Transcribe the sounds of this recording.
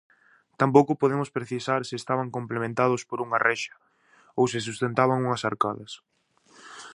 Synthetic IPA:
t̪ampowkʊpoð̞emʊspɾeθisaɾsɪːst̪aβaŋkomplemẽnt̪að̞ʊspoɾuŋɐrɛʃɐ̥ | owsɪs̬ust̪ent̪aβaŋuŋɐsaɾkaðɐs

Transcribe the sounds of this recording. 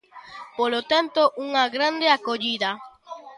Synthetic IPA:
polot̪ant̪oʔuŋaɣɾand̪eakoʎiða

